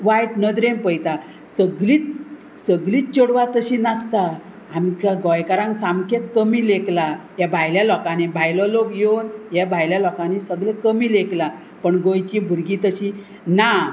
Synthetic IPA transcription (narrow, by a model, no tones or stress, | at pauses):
ʋajʈnəd̪ɾẽmpəjt̪a | səɡlit͡s̚ | səɡliːt͡ɕoɽʋat̪əɕinast̪a | amt͡ɕaɡɔjkaɾãŋɡsamket̪kəmileklajabʱajljalɔkanebʱajlɔlokjownjabʱajljalɔkãnesəɡlekəmiːlekla | pəɳɡojt͡ɕibʱuɾɡit̪əɕi | na